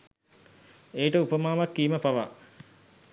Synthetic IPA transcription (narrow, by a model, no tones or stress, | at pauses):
eːʈəupəmaːmakːiːməpaʋa̰